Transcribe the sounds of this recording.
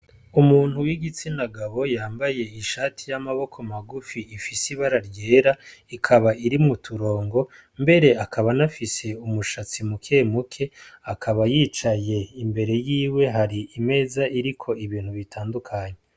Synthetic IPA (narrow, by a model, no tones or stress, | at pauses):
umuːn̥huwiɡit͡sinaɡaβo̞jaːmbaje̞iʃaːtʰijamaβo̞kʰo̞maɡufiːfisiβaɾaɾje̞ːɾaikʰaβaiɾimutʰuɾo̞ːŋɡo̞ | mbe̞ɾe̞akʰaβanafise̞umuʃat͡simukʰe̞ːmukʰe̞akʰaβajiːt͡ʃaje̞imbe̞ɾe̞jiːwe̞ɦaɾiime̞ːzaiɾikʰo̞iβiːn̥huβitʰaːndukʰaɲe